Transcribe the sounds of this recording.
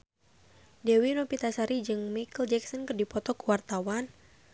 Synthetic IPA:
dɛwinɔpit̪asaɾid͡ʒɨŋmajkəld͡ʒɛksənkərdipɔt̪ɔkuwart̪awan

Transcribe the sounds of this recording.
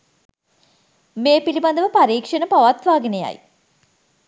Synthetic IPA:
meːpiliband̪əʋəpaɾiːkʂənəpaʋat̪ʋaːɡineja̰j

